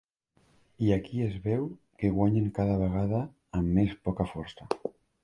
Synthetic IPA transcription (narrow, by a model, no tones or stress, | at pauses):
iakiezβɛw | keɣwaɲeŋkaðaβeɣ̞aðaː | mːespɔkafɔɾsta